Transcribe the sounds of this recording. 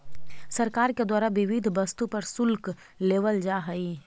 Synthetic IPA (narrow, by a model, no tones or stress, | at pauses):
sɐɾkaːɾked̪waːɾaʋɪʋɪd̪ʱbɐst̪upɐɾsʊlk | leːʋəld͡ʒaːɦɐi